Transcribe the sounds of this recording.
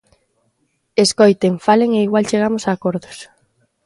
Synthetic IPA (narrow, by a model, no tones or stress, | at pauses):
eskojt̪eŋfaleŋeiɣwalt͡ʃeɣ̞amʊsaːkoɾðʊs